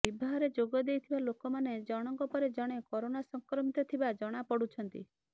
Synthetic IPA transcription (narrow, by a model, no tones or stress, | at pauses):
bibʱaɦɔɾed͡ʒoɡɔd̪ejt̪ʰibalokɔmaned͡ʒɔɽ̃ɔŋkɔpɔɾed͡ʒɔɽ̃ekɔɾoñasɔŋkɾɔmit̪ɔt̪ʰibad͡ʒɔɽ̃apɔɽut͡ʃʰɔnt̪ḭ